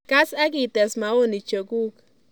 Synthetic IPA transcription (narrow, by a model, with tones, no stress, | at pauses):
ka˦sa˦k̬i˨tɛ˨sma˨o˦ni˨t͡ʃo˨ku˦k